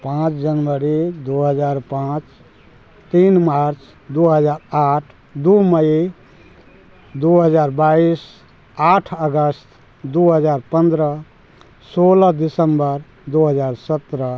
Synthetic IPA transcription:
pãt͡ʃd͡ʒənʋəɾid̪uɦəd͡ʒaɾpãt͡ʃ | t̪inmaɾt͡ʃʰ | d̪uɦəd͡ʒaɾaʈʰ | d̪uməi | d̪uɦəd͡ʒaːɾbais | aʈʰəɡəst̪ | d̪uɦəd͡ʒaɾpə̃nd̪ɾə | soləd̪isəmbəɾ | d̪uɦəd͡ʒaɾsət̪ɾə

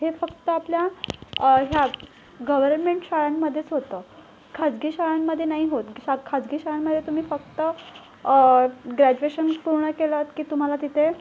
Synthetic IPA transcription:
ɦefəkt̪əaplja | ɦja | ɡəʋəɾnmeɳʈɕaɭanməd̪ʱːjet͡sɦot̪ə | kʰad͡zɡiːɕaɭanmːəd̪ʱːjenaɦiɦot̪akʰad͡zɡiːɕaɭanməd̪ʱːjet̪um̤iːfəkt̪ə | ɡɾæd͡ʑueɕənpuɾɳəkelət̪kiːt̪um̤alat̪it̪ʰe

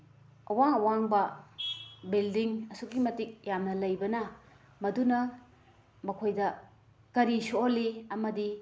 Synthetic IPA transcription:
ɐwaŋɐwaŋbɐ | bildiŋɐsukimɐtik̚jamnɐlɐjbɐnɐ | mɐdunɐ | mɐkʰojdɐ | kɐɾisolːiɐmɐdi

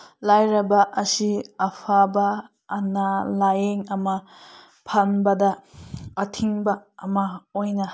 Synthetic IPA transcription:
lajɾɐbɐʔɐsiɐpʰabaː | nalajeŋɐma | pʰanbɐdaː | tʰiŋbɐːmaojna

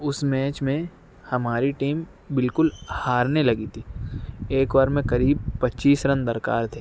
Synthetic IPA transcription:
ʊsmɛːt͡ʃmẽ | hɐmaːɾiʈiːm | bɪlkʊlhaːɾnelɐɡit̪ʰiːeːkʋaːɾmẽkɐɾiːb̚pɐtːʃiːsɾɐ̃nd̪ɐɾka̰ːɾt̪ʰe

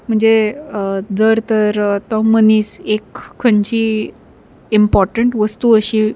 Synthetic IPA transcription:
m̤əɳd͡ze | d͡zəɾt̪əɾat̪ɔməniːsekʰːəɲt͡ɕi | impɔɾʈəɳʈʋəst̪uəɕi

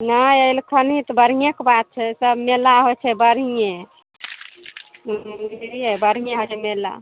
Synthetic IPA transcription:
naəilkʰənit̪bəɾ̤ijekbad̪̚t͡ʃʰɛsəbmelaɦojt͡ʃʰɛbəɾije | ɾijebəɾ̤ijẽɦojt͡ʃʰɛmela̰

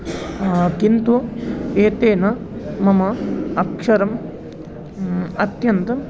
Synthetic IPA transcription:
kint̪ueːt̪eːnɐ | mɐmɐɐkʂɐɾɐm | ɐt̪jɐnt̪ɐ

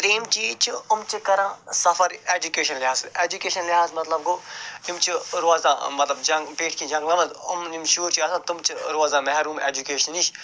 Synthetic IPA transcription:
pɾiːmt͡ʃiːt͡ʃʰiɐmt͡ʃikɐɾãːsɐfɐɾeːd͡ʒukeːʃɐnlɪɦaːzeːd͡ʒukeːʃɐnlɪɦaːzmɐt̪lɐb̚ɡoːimt͡ʃʰiɾoaːzã̰ːmɐt̪lɐbd͡ʒɐŋɡpeːʈʰkĩd͡ʒɐ̃ŋɡlɐmɐnd̪ɐ̰mimʃuːɾt͡ʃʰiɐsãt̪umt͡ʃʰiɾoaːzaːmɛɦɾuːmḛːd͡ʒukeːʃɐniʃ

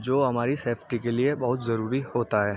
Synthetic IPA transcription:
d͡ʒoːɦɐmaːɾiseːfʈikeliebɐɦʊt̪zɐɾuːɾihoːt̪aɦɛː

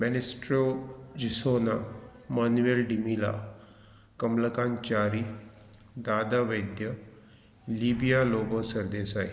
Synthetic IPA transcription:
mɛnɪsʈɾoːd͡ʒisoːnamaːnuelɖimila̰ː | kɐmlɐkaːnt͡ʃaːɾi | d̪aːd̪aʋɐjd̪jə | liːbijaːloːɡosɐɾd̪eːsaːj

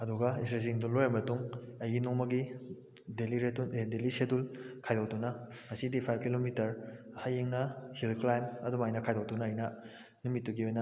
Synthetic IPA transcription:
ɐduɡɐisɾeziŋdulːojamɐtuŋɐjɡinuŋmɐɡi | deliɾetuedelisedulkʰajdawtunɐŋɐsidipʰajb̚kilomitɐɾ | hajeŋnɐhilklajmɐdumɐɐjnɐkʰajdawtunɐːjnɐ | numitːuɡiojnɐ

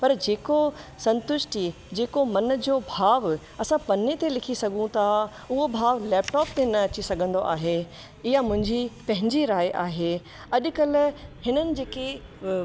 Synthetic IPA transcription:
pɐɾd͡ʑeːkosɐ̃nt̪ʊʃʈi | d͡ʑeːkomɐn̆d͡ʑoːbʱaːʋ | ɐsãpɐnet̪elɪkʰisɐɡʱũt̪ʰa | ʊɦobʱaːʋlɛːp̚ʈɔːp̚t̪enɐɐt͡ɕisɐɡʱə̃nd̪oʔa̰ːɦe | ɪjamʊ̃ɦɪ̃ɲd͡ʑipɐ̃ɦɪ̃ɲd͡ʑiɾaːjʔaːɦe | ɐʄkɐlʊ̆hɪnənɪ̆d͡ʑeːke

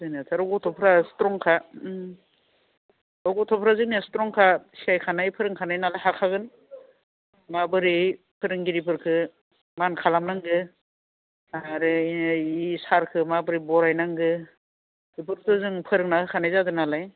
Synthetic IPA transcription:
zɯnatʰaɾɔɡɔtʰɔpʰɾastɾɔŋkʰa | ɔɡɔtʰɔpʰɾazɯŋniastɾɔŋkʰasiajkʰanajpʰɯɾɯŋkʰanajnalajɦakʰaɡɯn | mabɯɾipʰɯɾɯŋɡiɾip̬ʰɯɾkʰɯ | mankʰalamnaŋɡɯ | aɾɯisaɾkʰɯmabɯɾibɔɾajnaŋɡɯ | ip̬ʰɯɾtɯzɯŋpʰɯɾɯŋnakʰɯkʰanajzadɯnalaj

